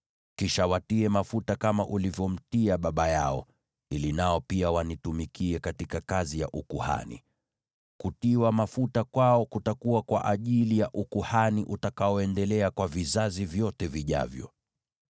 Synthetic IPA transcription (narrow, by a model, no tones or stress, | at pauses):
kiʃawatiɛmafutakamaʔulivjɔm̩tiaɓaɓajaɔ | ilinaɔpiawanitumikiɛkatikakazija̰ʔukuha̰nḭ | kutiwamafutakwaɔkutakuwakwa̰ʔaʄilijaʔukuhaniʔutakaɔɛndɛlɛakwavizazivjɔtɛviʄa̰vjɔ̰